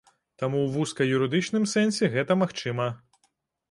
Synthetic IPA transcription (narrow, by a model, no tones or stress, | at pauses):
t̪amuwʋuskɐjuɾɪd̪ɨt͡ʃnɨmsɛnʲsʲiɣɛt̪ɐmaxt͡ʃɨmɐ